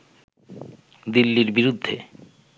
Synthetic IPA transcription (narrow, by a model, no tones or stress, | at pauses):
d̪ilːiɾbiɾud̪ʱːe